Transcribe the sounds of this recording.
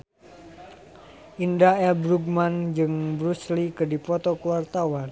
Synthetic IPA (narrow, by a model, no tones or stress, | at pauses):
ʔindaɛlbɾuɡ̚mand͡ʒɨŋbɾuslikɨdipɔt̪ɔkəwart̪awan